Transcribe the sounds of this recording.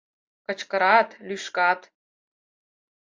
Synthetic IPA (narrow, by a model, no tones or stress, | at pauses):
kɤ̆t͡ɕkɤ̆ɾɑt̪lʲyʃkɑt̪